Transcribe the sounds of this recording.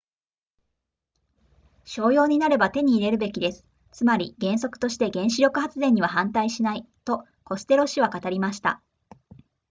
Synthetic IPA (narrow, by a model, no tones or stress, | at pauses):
ɕo̞ːjo̞ːɲ̟inaɾe̞bat̪e̞ɲ̟iːɾe̞ɾɯ̟be̞kʲid̪e̞sɨ̥ | t͡sɨmaɾʲiɡẽ̞ɰ̃so̞kɯ̥o̞ɕi̥t̪e̞ɡẽ̞ɰ̃ɕiɾʲo̞kɯ̟hat͡sɨzẽ̞ɲ̟ːiβ̞aɦãnt̪aiɕinai | t̪o̞ | ko̞sɨ̥t̪e̞ɾo̞ɕiβ̞akat̪aɾʲimaɕi̥t̪a̰